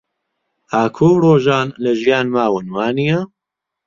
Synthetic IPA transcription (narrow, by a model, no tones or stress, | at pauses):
aːkʰoːwroːʒaːnlɐʒijaːnmaːwɨnwaːnijɐ